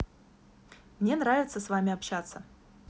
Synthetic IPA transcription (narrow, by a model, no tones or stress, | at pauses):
mnʲenɾavʲɪt̪səsvamʲɪɐpɕat̪sːə